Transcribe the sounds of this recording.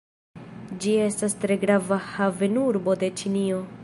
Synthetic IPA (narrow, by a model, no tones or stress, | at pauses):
d͡ʒie̞stastɾe̞ɡɾavahave̞nuɾbo̞de̞t͡ʃinio̞